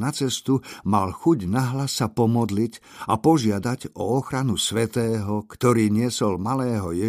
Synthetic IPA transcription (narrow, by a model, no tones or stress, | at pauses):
nat͡sɛst̪umalxuɟnaɦlasːapɔmɔd̪licapɔʒɪad̪aɟɔɔxɾanusʋɛt̪ɛːɦɔkt̪ɔɾiːɲɪɛsɔlmalɛːɦɔjɛ